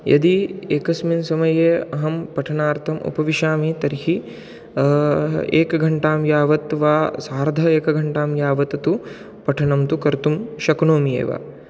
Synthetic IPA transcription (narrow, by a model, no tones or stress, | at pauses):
jɐ̰d̪ieːkɐsminsɐmɐjeːɐɦɐmpɐʈʰɐnaːɾt̪ʰɐmṵpɐʋiʃaːmeːt̪ɐɾhi | ḛːkɐɡʱɐɳʈaːmjaːʋɐt̪ʋaːsaːɾd̪ʱɐeːkɐɡʱɐɳʈaːmjaːʋɐt̪ɐt̪u | pɐʈʰɐnɐmt̪ukɐɾt̪umʃɐknoːmijḛːʋa̰ː